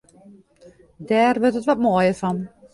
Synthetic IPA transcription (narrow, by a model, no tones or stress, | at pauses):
dɛːrʋørtətʋɔt̚moːjəfɔn